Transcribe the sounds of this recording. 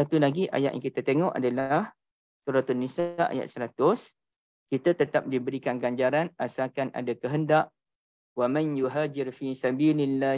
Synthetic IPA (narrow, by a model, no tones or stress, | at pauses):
sat̪ulaɡiʔa̰ja̰ʔja̰ŋkit̪at̪eŋɔʔa̰dalah | suɾat̪unːisaʔa̰ja̰ʔ̪̚səɾat̪ʊs | kit̪at̪ət̪ap̚dibəɾikanɡaɲd͡ʒaɾanasakanʔa̰dakəɦəndaʔ | wamãnjuɦaːd͡ʒɪɾfisabiːlɪlːa